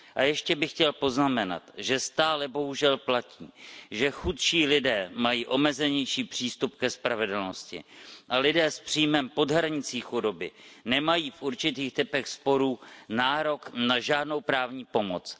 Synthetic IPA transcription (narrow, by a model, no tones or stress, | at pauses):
ʔajɛʃcɛbɪxcɛlpo̞znamɛna̰t̪ʒɛst̪aːlɛbo̞ɦuʒɛlplaciːʒɛxut̪ʃiːlɪdɛːmajiːʔo̞mɛzɛɲɛjʃiːpr̝̥iːst̪up̚kɛspɾavɛdl̩noscɪ̰ʔalɪdɛːspr̝̥iːjmɛmpo̞dɦɾaɲɪt͡siːxudo̞bɪnɛmajiːfʔuɾt͡ʃɪt̪iːxt̪ɪpɛxspo̞ɾuːnaːɾo̞knaʒaːdno̞wpɾaːvɲiːpo̞mot͡s